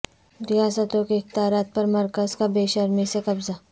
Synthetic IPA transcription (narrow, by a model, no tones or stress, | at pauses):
ɾɪjaːsət̪õkeɪxt̪aːɾaːt̪̚pɐɾmɐɾkəzkabeːʃəɾmesekɐbza